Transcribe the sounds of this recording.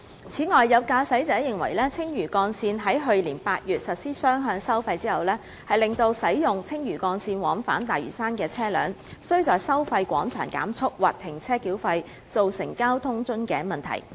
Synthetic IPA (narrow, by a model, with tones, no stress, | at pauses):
t͡sʰiː˨˥ŋɔː˨jːɐ˨˧wkaː˧sɐ˨˥jt͡sɛː˨˥jɪ˨ŋwɐ̰˨˩jlɛː˥t͡sʰɪ˥ŋjyː˨˩kɔː˧nsiː˧nɦɐ˨˥jɦɵ˧ɥliː˨˩npaː˧t̚jyː˨t̚sɐ˨t̚siː˥sœː˥ŋɦœː˧ŋsɐ˥wfɐ˧jt͡siː˥hɐ˨wlɛː˥ | hɐ˨jlɪ˨ŋt̪o˧wsɐ˨˥jjʊ˨ŋt͡sʰɪ˥ŋjyː˨˩kɔː˧nsiː˧nwɔː˨˥ŋfa̰ː˨˥nt̪aː˨jɥy̰ː˨˩saː˥nkɛː˧t͡sʰɛː˥lœ̰ː˨˥ŋsɵ˥ɥt͡sɔː˨jsɐ˥wfɐ˧jkʷɔ̰ː˨˥ŋt͡ʃʰœ̰ː˨˩ŋka̰ː˨˥mt͡sʰʊ˥k̚waː˨t̚t̪ʰːɪ˨˩ŋt͡sʰɛː˥kiː˨˥wfɐ˧j | t͡so˨wsɪ̰˨˩ŋkaː˥wt̪ʰʊ˥ŋt͡sɵ˥nkɛː˧mɐ˨nt̪ʰɐ̰˨˩j